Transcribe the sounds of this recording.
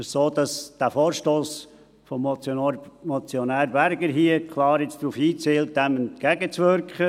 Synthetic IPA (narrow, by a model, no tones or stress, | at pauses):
soːd̥̪ɑsd̥æfoːɾʃtoːs | fɔm | mɔt͡sjɔnæːɾbæɾɡəɾɦiəkʰlɑːɾɪt͡sd̪̥ɾuːfiːt͡seːlt̚d̥ɛmɛnt̪̚kæɡət͡sʋʏɾkχə